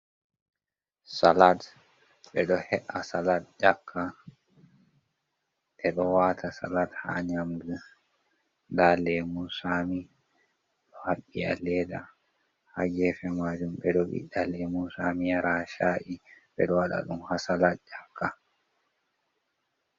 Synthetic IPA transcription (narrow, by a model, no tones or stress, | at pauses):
salat | ɓɛɗɔhɛʔasalat̚d͡ʒakʰːa | ʔɛɗɔwaːtʰasa̰latha̰ɲamdu | dalɛmusaːmi | ɗɔhaɓːia̰lɛːda | haɡɛːfɛmaːd͡ʒumɓɛɗɔɓḭɗalɛmusamijaɾaːʃaʔiɓɛɗɔwaɗa̰ɗumhasalat̚d͡ʒakʰːa